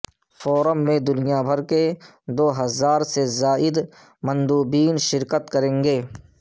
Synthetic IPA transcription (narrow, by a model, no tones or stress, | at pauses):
fɔːɾəmːẽd̪ʊnijabʱəɾke | d̪oːɦɐzaːɾsezaːʔɪd̪ | mə̃nd̪uːbiːnʃɪɾkət̪kəɾẽːŋɡeː